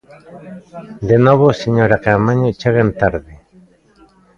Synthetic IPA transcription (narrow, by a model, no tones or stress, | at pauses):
d̪enoβoseɲoɾakamaɲot͡ʃeɣent̪aɾðe